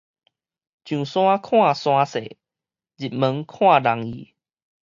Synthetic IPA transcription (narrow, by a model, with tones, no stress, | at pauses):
t͡ɕjũ˨˩sw̃ã˦kʰw̃ã˥˨sw̃ã˧sḛ˨ | d͡ʑi˨˩t̚mə˨˦ŋkʰw̃ã˥˧˨la˨˦ŋḭ˨˦